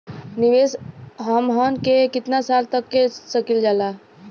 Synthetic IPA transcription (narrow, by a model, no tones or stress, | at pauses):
nɪʋeːsɦəmɦənkekɪt̪nasaːlt̪əkːesəkild͡ʒaːlaː